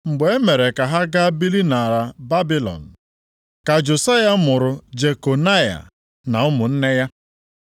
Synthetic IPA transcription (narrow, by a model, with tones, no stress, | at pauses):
ŋ͡m̩˨ɡ͡be˨e˦me˨ɾe˨ka˨ɦa˦ɡa˦bi˦li˦na˨ɾa˨ba˦bi˦lɔ̰˨n̩˨ | ka˨d͡ʒʊ˨sa˦ja˦mʊ˨ɾʊ˨d͡ʒe˨ko˨na˦ja̰˨ | na˨ʊ˦mʊ˨n̩˦ne˦ja˦